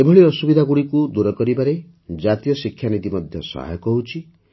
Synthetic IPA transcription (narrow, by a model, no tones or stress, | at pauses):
ebʱɔɭiɔsubid̪ʱaɡuɽikud̪uɾɔkɔɾibaɾe | d͡ʒat̪ijɔsikʰːjanid̪imɔd̪ʱjɔsɔ̰ɦa̰jɔkɔut͡ʃʰi